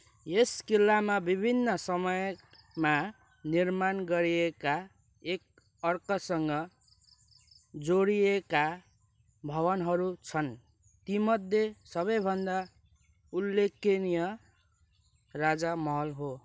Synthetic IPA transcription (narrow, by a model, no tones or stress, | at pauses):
eskilːamabibʱinːʌsʌmʌj | ma | nirmanɡʌɾieka | ek̚ | ʌrkʌsʌŋɡʌ | d͡zoɽieka | bʱʌβʌnɦʌɾut͡sʰʌn | t̪imʌd̪ʱjesʌβʌjbʱʌnd̪a | ulːekːenijʌ | rad͡zamʌɦʌlɦo